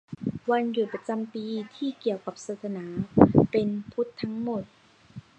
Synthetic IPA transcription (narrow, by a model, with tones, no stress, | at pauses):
wa˧njuː˨˩pɾa˧t͡ɕa˧mpiː˧t̪ʰiː˥˩ki˨˩əwka˨˩p̚saː˧˩t̪ʰa˧naː˩˦pe˧npʰu˦˥t̪ʰːa˦˥ŋmo˨˩t̪̚